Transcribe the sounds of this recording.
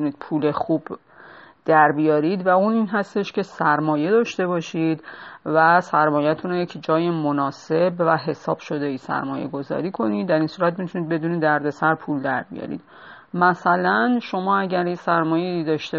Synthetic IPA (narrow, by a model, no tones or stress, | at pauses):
uniːd̪̥̚pʰuːle̞xuːb̥ | d̪̥æɾbijɒːɾid̪væuninɦæst̪e̞ʃcʰe̞sæɾmɒːje̞d̪ɒːʃt̪e̞βɒːʃid̪væsæɾmɒːjæt̪ʰunɾojecʰd͡ʒɒːjemonɒːse̞bvæɦe̞sɒːb̥ʃo̞d̪eisæ̰ɾmɒːje̞̰ɡo̞zɒ̰ːɾiːkʰo̞nid̪ːæɾiːnsuːɾæt̪̚mit̪ʰunid̪̚be̞d̪uːnid̪æɾd̪e̞sæɾpʰuːld̪æɾbḭjɒ̰ɾḭd̪̥̚ | mæsælænʃo̞mɒːæɟæɾjesæɾmɒːjeid̪ɒːʃt̪e